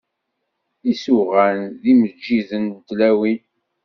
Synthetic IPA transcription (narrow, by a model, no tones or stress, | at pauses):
isuʁænðiməd͡ʒːiðənt̪læwin